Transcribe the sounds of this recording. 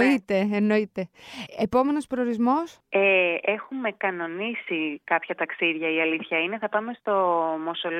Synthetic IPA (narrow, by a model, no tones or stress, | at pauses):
it̪e̞eno̞it̪e̞epo̞me̞no̞spɾooɾizmo̞s | ee̞xume̞kɐno̞nisikɐpçɐt̪ɐksiðʝɐiɐliθçɐine̞θɐpɐme̞st̪o̞mo̞so̞l